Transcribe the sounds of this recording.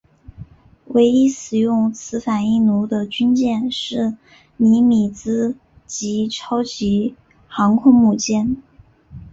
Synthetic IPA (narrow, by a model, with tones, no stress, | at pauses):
we˧˥ɪi˥sɹɻ̩˨˩jʊ˥˩ŋt͡sʰɹ̩˧˥fa˨˩ni˥˩nu˧˥d̪ə˧t͡ɕy˥nt͡ɕjɛ˥˧nʂɻ̩˥˩ | ni˧˥mi˨˩t͡sɹ̩˥ | t͡ɕi˧˥ʈ͡ʂʰɑ˥ʊt͡ɕi˧˥ | xɑ˧˥ŋkʰʊ˥ŋmu˥˧˩t͡ɕjɛ˥n